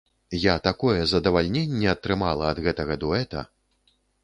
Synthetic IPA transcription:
jat̪akɔjɛzɐd̪ɐvalʲnʲenʲːɛɐt̪ːɾɨmalˠɐɐd̪ɣɛt̪ɐɣɐd̪uɛt̪ɐ̰

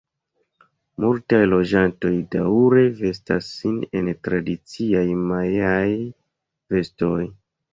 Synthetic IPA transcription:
multajlo̞d͡ʒanto̞jdauɾe̞ve̞s̬ta̰sːine̞ntɾadit͡siajmaeaj | ve̞sto̞j

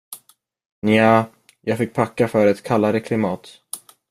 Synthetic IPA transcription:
naː | jɑːɡfɪk̚ːpʰakːafœɾɛt̪kʰalːaɾəkʰlɪmɑːt̪

